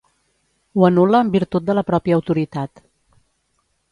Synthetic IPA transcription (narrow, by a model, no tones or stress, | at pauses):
wənuləːmbiɾt̪ut̪̚d̪ələpɾɔpiəːwt̪uɾit̪at̪